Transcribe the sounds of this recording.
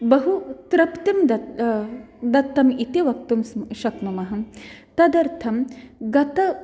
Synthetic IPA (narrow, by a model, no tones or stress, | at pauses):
bɐɦut̪ɾɐpt̪imd̪ɐ | d̪ɐt̪ːɐmit̪iʋɐk̚t̪umsʃɐknumɐɦɐt̪ɐd̪ɐɾt̪ʰɐmɡɐt̪ɐ